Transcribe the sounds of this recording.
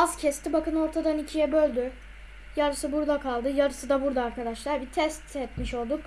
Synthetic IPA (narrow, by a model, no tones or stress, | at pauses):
azcʰɛst̪ʰibakʰɯno̞ɾt̪ʰad̪anicʰijɛbølʲd̪y | jaɾɯsɯbuɾd̪akʰalˠd̪ɯjaɾɯsɯd̪abuɾd̪aːɾkʰad̪aʃlˠaɾbit̪ʰɛst̪ɛt̪miʃo̞lˠd̪uk